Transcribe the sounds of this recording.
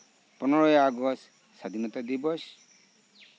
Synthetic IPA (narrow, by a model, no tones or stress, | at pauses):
pɔnɔɹɔjaɡɔs | sad̪ʱinɔt̪ad̪ibɔs